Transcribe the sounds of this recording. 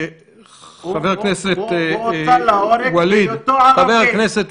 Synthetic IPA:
χaveʁknɛset̪ | walidχaveʁkneset̪

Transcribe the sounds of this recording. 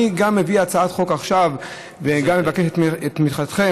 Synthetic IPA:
iɡamːeviat͡saat̪χo̞kaχʃav | veɡamːe̞vakeʃtetmit̪χatχe

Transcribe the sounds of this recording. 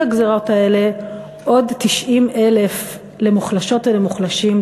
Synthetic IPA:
aɡzeʁotae̞le̞ | ʔo̞dtiʃʔimʔe̞lef | le̞muχlaʃo̞tvelemuχlaʃim

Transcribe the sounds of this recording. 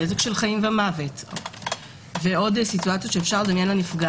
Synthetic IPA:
ezekʃe̞lχaimvamavet | veo̞dsituat͡sjotʃe̞ːfʃaʁled̪amjenlanifɡa

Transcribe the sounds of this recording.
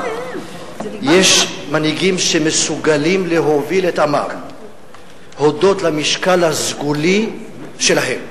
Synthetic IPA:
jeʃmanhiɡimʃemesuɡalimleɦo̞viletama̰ʁ | ho̞do̞tlamiʃkalhazɡuli | ʃe̞laɦe̞m

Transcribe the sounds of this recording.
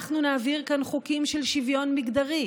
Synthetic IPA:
χnunaːviʁkanχukimʃelʃivjo̞nmiɡd̪aʁi

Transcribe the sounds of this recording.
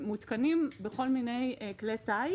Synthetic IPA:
mut̪kanimbeχo̞lmine̞jkletaj

